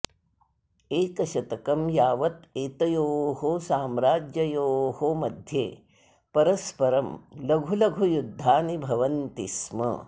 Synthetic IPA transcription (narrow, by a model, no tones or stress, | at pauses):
eːkɐʃɐt̪ɐkɐmjaːʋɐt̪eːt̪ɐjoːɦosaːmɾaːd͡ʒjɐjoːhomɐd̪ʱjḛː | pɐɾɐspɐɾɐmlɐɡʱulɐɡʱujud̪ʱːaːnibʱɐʋɐnt̪ismɐ̰